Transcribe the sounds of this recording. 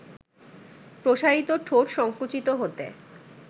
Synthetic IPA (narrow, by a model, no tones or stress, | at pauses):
pɾoʃaɾit̪oʈʰoɾʃɔŋkut͡ɕit̪oɦot̪ḛ